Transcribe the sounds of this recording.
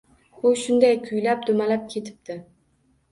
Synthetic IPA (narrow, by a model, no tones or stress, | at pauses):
ʊʃʊnd̪ajkʲʰʊjlap̚d̪ʊmalap̚kʲʰe̞t̪ʰɪ̥p̚t̪ɪ